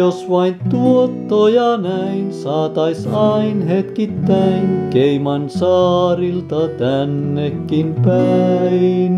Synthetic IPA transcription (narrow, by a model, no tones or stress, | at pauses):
osʋɑint̪uot̪ːoːjɑnæinsɑːt̪ɑisɑinhet̪kit̪ːæːŋkeimɑnsɑːrilt̪ɑt̪ænːekːimpæin